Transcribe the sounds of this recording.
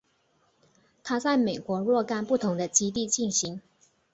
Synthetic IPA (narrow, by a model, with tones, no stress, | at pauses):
t̪ʰa˥t͡sa˥˩ɪme˨˩ɪkwɔ˧˥ɻwɔ˥˧ka˥˧npu˥˩t̪ʰʊ˧˥ŋd̪ə˧t͡ɕi˥t̪i˥˧t͡ɕi˥˩nɕi˧˥ŋ